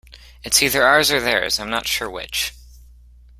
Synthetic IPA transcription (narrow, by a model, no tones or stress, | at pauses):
ɨtsiðə˞ɑɹzə˞ðə̰˞z̥ãɪ̃mnə̰tʃʊɹwɪ̰t͡ʃ